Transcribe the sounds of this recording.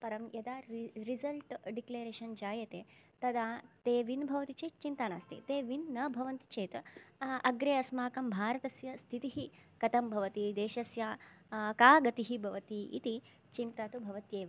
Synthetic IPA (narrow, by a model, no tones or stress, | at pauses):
pɐɾɐmjɐd̪aːɾizɐlʈɖikleːɾeːʃɐnd͡ʒaːjɐt̪eː | t̪ɐd̪aːt̪eːʋinbʱɐʋɐt̪it͡ʃeːt͡ʃint̪ɐna̰ːst̪ʰḭt̪eːʋinːɐbʱɐʋɐnt̪it͡ʃeːt̪ɐɐɡɾeːɐsmaːkɐmbʱaːɾɐt̪ɐsjɐst̪ʰit̪iɦikɐt̪ɐmbʱɐʋɐt̪id̪eːʃɐsja | kaːɡɐt̪iɦibʱɐʋɐt̪iʔḭt̪i | t͡ʃimt̪aːt̪ubʱɐʋɐt̪jeːʋɐ